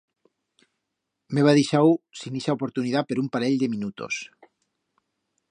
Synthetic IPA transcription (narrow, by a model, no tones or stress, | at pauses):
meβaðiʃawsiniʃaopoɾt̪uniðapeɾumpaɾeʎd̪eminut̪o̰s